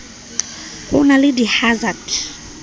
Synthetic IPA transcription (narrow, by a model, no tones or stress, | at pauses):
kṵnalidihazad